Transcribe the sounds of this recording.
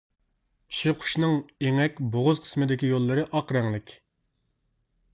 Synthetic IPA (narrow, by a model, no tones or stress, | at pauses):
ʃiqʰʊ̥ʃnɨŋeŋɛkʲboʁʊzqʰə̥smɨd̪ɪkʲijolˠːɨɾɨʔɑqɾɛŋlˠɪkʲ